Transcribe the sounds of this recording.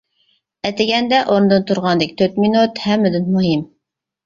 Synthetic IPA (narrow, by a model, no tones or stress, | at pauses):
ɛt̪ɪɡʲɛnd̪ɛʔoɾnd̪ɨnt̪ʰuɾʁɑnd̪ɪk̚ʲt̪ʰøɾt̪minut̪hɛmːɪd̪ɪnmuɦim